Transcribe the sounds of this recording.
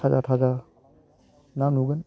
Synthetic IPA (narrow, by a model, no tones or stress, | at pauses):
aza̰tʰaza | nanuɡən